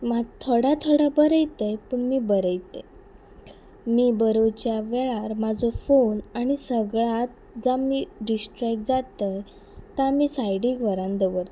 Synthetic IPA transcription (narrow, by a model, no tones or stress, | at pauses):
mat̪ʰoɽat̪ʰoɽabəɾəjt̪əjpəɳmiːbəɾəjt̪e | miːbəɾot͡ɕjaʋɛɭaɾmad͡zɔfonaɽ̃isəɡɭat̪̚ | d͡zamiːɖisʈɾɛk̚ʈ̚d͡zat̪əj | t̪amiːsajɽĩɡʋəɾãnd̪əʋəɾt̪